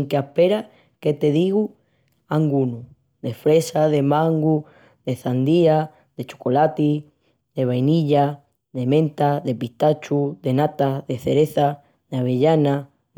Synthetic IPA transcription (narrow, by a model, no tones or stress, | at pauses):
ŋkeapeɾa | ket̪e̞ðiɣu | aŋɡunu | ðefɾe̞saðemãŋɡu | ðe̞θand̪ia | ðe̞t͡ʃo̥kolat̪i | ðe̞βajniʎa | ðemẽnt̪aðe̞piht̪at͡ʃuðe̞nat̪aðeθeɾeθa | ðaβ̞eʎana